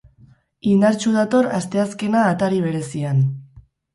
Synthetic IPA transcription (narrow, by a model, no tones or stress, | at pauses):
ind̪aɾt͡ʃuð̞at̪o̞ɾast̪e̞askenaːt̪aɾiβ̞e̞ɾe̞sian